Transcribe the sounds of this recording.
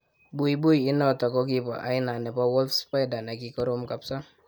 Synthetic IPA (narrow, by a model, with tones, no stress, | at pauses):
bu˦i˨bu˦jɪ˦nɔ˦˨tɔ˨kɔ˦k̬i˦pɔ̰˨ʔa̰˨ɪ˦na˨nɛ˨pɔ˦wɔ˦ltspa˦jda˨na˨ki˦kɔ˦ɾo˦mka˨psa˦